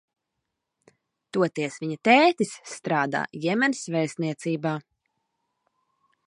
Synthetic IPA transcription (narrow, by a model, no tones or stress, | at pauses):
t̪uɔt̪iɛsviɲat̪ɛːt̪isːt̪ɾaːd̪a̰ːjɛmɛnsvɛjsniɛt̪siːbaː